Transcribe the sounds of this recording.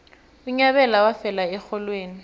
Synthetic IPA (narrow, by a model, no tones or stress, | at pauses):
ʊɲaβɛlawafɛlaɛxɔlweːni